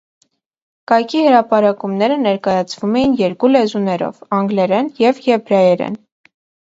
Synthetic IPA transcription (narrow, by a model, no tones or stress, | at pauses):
kɑjkʰihəɾɑpɑɾɑkumnɛɾənɛɾkɑjɑt͡sʰvumɛjinjɛɾkulɛzunɛɾɔ̰vɑŋɡlɛɾɛnjɛvjɛbɾɑjɛɾɛ̰n